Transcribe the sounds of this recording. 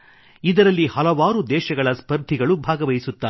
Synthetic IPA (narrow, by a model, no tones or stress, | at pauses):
id̪ɐɾɐlːihɐlɐʋaːɾud̪ɛːʃɐɡɐɭɐspɐɾd̪ʱiɡɐɭubʱaːɡɐʋɐjisut̪ːa